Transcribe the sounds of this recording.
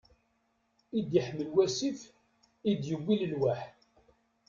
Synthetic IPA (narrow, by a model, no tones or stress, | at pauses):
id̪jəħməlwæsif | id̪jəwːiləlwaħ